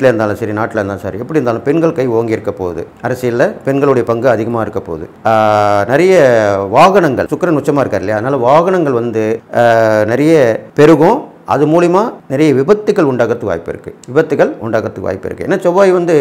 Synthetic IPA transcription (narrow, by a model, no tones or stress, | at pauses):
ʈːɪleɾɯnd̪aːlɐ̃sɐɾinaːʈːɪleɾnd̪ãːsa̰ːɾiɛpːɐɽɪɾnd̪aːlɐ̃pɛnɡɐɭkɐɪoːŋɡɪjɪɾɯkːɐpo̰ːðɯ̰ɐɾɐsɪjɐlːɐpɛnɡɐɭɯɽɐjɐpɐŋɡɯɐðɪɣɐmaːɪɾɯkːɐpːo̰ːðɯ̰ | nɪɾɐjɐʋaːɣɐɳɐŋɡɐ̰ɭsʊkːɾɐnʊt͡ʃːɐmaːɪɾɯkːaːɾɪlɐjaɐðɐnaːlɐʋaːɣɐɳɐŋɡɐɭʋɐnd̪ɯ | nɪɾɐjɐpɛɾɯɣʊ̃ | ʔɐ̰ðɯmuːlɐjmaːnɪɾɐjɐʋɪbɐt̪ːɯɣɐɭʊɳɖaːɣɐt̪ːɯʋa̰ːjpːɪ̰ɾɯkːɯʋɪbɐt̪ːɯɣɐɭʊɳɖaːɣɐt̪ːɯkːʋʔa̰ːjpːɪ̰ɾɯ̰kːɯɛ̰nːaːt͡ʃɔʋaːjʋɐnd̪ɯ